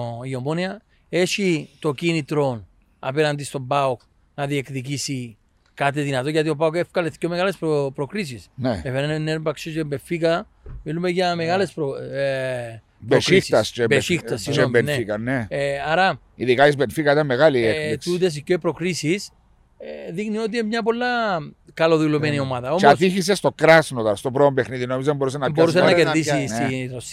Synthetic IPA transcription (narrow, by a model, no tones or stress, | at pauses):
iomoniɐ | e̞ʃit̪o̞cinit̪ɾo̞n | ɐ̰peɾɐnd̪ist̪o̞mbaok | nɐðiekðicisi | kat̪̬iðinɐt̪oʝɐt̪io̞baokefkɐleθcːomeɣalespopɾokɾis̬isneefenennːeɾmbaksisembefikɐ | milumeʝɐmeɣale̞spɾo | poʃɾisit̪ɐst͡ʃebeixt̪ɐsiebenneikɐneaɾɐ | iðikaizbenfikait̪anmeɣaliekiut̪̬es̬icːoipɾokɾisis | ðiɣnio̞t̪̬imɲɐpolːɐ | kɐloðulumenio̞maðɐoast̪içis̬est̪o̞kɾasnot̪ɐɾst̪opɾoombexniðinomizemboɾus̬enːamboɾus̬enːɐkeðis̬ist̪iɾos